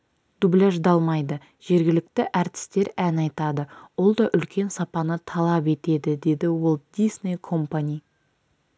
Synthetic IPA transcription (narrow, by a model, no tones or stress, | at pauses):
d̪̥ublæʒd̪ɑlˠmɑjd̪ə | ʒ̥e̞ɾɡʲɪlɪk̚t̪ɪʔæɾt̪ɪ̥st̪e̞ɾænɑjt̪ɑd̪əwo̞lˠd̪ɑʔʏlkʲe̞nsɑpɑnət̪ʰɑlˠɑpe̞t̪e̞d̪ɪd̪e̞d̪ɪwo̞lˠd̪̥isnʲejkʰo̞mpanʲij